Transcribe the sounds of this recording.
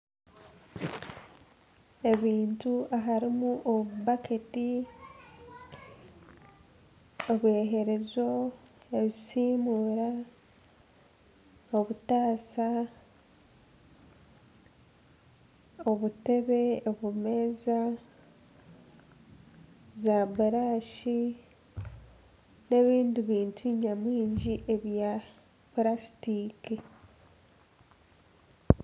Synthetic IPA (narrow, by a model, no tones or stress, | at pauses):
e̞βiːntuaɦaɾimuʔoβupaketi | oβwe̞ɦe̞ɾe̞zo̞ | e̞βisiːmuːɾa | oβutaːsa | o̞βute̞βe̞oβume̞ːza | zabuɾaːʃi | ne̞βiːndiβiːntʰuɲamwiːɲɟiʔe̞βja | pɾasi̥tiːki